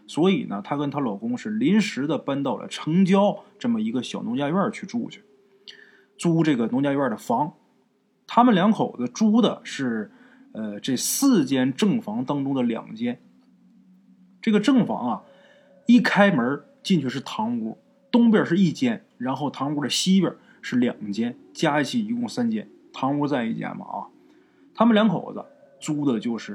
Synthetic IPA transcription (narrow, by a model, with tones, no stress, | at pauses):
swɔ˧˥ḭ˨˩nə̰˦t̪ʰa˥kə˥nt̪ʰa˥lɑ˨˩ʊkʊ˥ŋʂɻ̩˥˩li˧˥nʂɻ̩˧˥d̪ə˨pa˥nt̪ɑ˥˩ʊlə̰˩ʈ͡ʂʰɤ˧˥ŋt͡ɕjɑ˥ʊʈ͡ʂɤ˥˩mə˩i˧˥ɡə˧ɕjɑ˨˩ʊnʊ˧˥ŋt͡ɕja˥y˥ə˞˥˩t͡ɕʰy˥˧ʈ͡ʂu˥t͡ɕʰy̥˥˩ | ʈ͡ʂu˥ʈ͡ʂɤ˥˩ɡə˩nʊ˧˥ŋt͡ɕja˥y˥ə˞˥˩d̪ə˩fɑ˧˥ŋ | t̪ʰa˥mə˨nljɑ˧˥ŋkʰo˨˩ʊd̪ə˦ʈ͡ʂu˥d̪ə˨ʂɻ̩˥˧ | ə˧ʈ͡ʂe˥˧sɹ̩˥˩t͡ɕjɛ˥nʈ͡ʂɤ˥˩ŋfɑ˧˥ŋt̪ɑ˥ŋʈ͡ʂʊ˥ŋd̪ə˨ljɑ̰˨˩ŋt͡ɕjɛ˥n | ʈ͡ʂɤ˥˩ɡə˩ʈ͡ʂɤ˥˩ŋfɑ̰˧˥ŋɐ˧ | i˥˩kʰa˥ɪmə˧˥ | t͡ɕi˥˧nt͡ɕʰy˥˧ʂ̬̩˥˩t̪ʰɑ˧˥ŋu˧˥ | t̪ʊ˥ŋp̬jə˞˥˨˩ʂɻ̩˥˧i˥˩t͡ɕjɛ˥˩n | ɻa˧˥nxo˥˩ʊt̪ʰɑ˧˥ŋu˧˥ɾə˧ɕi˥pjə̰˞˨˩˦ | ʂɻ̩˥˩ljɑ̰˨˩ŋt͡ɕjɛ˥n | t͡ɕja˥i˥˧˩t͡ɕʰi˥˩i˧˥kʊ˥˩ŋsa˥nt͡ɕjɛ̰˥n | t̪ʰɑ˧˥ŋu˧˥t͡sa˥˧ɪi˥˩t͡ɕjɛ̰˥nmɐ̰˩ʔɐ̰˧˩ | t̪ʰa˥mə˨nljɑ˧˥ŋkʰo˨˩ʊd͡zə̰˦ | ʈ͡ʂu˥d̪ə˨t͡ɕjo˥˧ʊʂɻ̩˥˩